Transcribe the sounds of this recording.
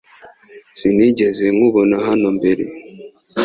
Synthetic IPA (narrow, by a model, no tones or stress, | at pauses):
siniɟezeŋuβonaɦanombeɾḛ